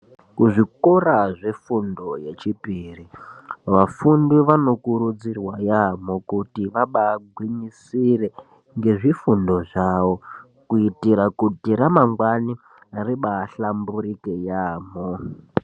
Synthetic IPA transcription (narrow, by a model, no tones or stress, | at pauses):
kuʐikoraʐefundo̞je̞t͡ʃipiriʋafundiʋano̞kuɾud͡zirwajamo̞kutiʋaɓaɡʱwiɲisire | ŋɡe̞ʐifundo̞ʐawo | kuitiɾakutiɾamaŋɡwani | ariɓaɬambuɾikejaːmo